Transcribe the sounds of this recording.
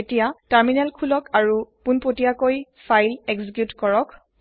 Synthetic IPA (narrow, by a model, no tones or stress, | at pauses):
etijataɹminɛlkʰulɔkʰaɹupunpotijakoj | fʰajlɛkzikjutkɔɹɔk